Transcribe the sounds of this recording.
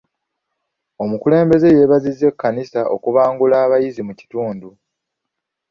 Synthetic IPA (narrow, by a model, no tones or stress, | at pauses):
o̞mukule̞ːmbe̞ze̞je̞βazizːe̞kːanisaʔo̞̰kuβaːŋɡulaːβajizimuci̥tuːndu